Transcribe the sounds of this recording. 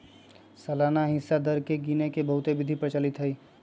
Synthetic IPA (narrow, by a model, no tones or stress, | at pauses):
sɐlaːnaɦɪsːad̪əɾkeɡiːnekebəɦʊt̪eʋɪd̪ʱipɾət͡ʃalɪt̪ɦəi